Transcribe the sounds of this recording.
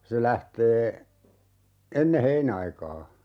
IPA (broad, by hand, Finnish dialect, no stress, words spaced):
se læhteː enːe heinɑikɑː